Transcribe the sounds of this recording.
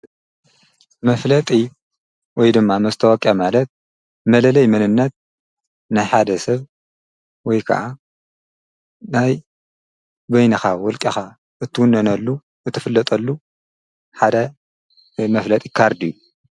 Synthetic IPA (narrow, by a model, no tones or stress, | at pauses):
mɐflɐt̪ʼi | wɔjd̪ɨmːamɐst̪ʰɐwɔkʼjamalɐt̪̚ | mɐlɐlɐjmɨnɨnːɐt̪̚ | najħad̪ɐsɐβ | wɔjkʰɐ̰ʕʔa | naj | bɐjnɐxawɔlkʼixa | ʔɨt̪ʰːɨwunːɐnɐlːu | ʔɨt̪ʰːɨfɨlːɐt̪ʼɐlːu | ħad̪ɐ | mɐflɐt̪ʼi̥kʰaɾd̪ijːu